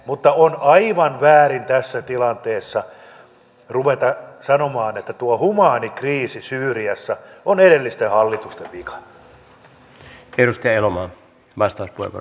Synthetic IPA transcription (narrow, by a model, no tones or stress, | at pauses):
mut̪ːɑonɑiʋɑnʋæːɾint̪æsːæt̪ilɑnt̪eːsːɑ | ruʋet̪ɑsɑnomɑːnet̪ːæt̪uɑhumɑːnikriːsisyːriɑsːɑoneɾelːist̪ehɑlːit̪ust̪eʋʋikɑ̥nː | eɾust̪iɑelomɑː | ʋɑst̪ɑˑuspuoˑḛkɑ̰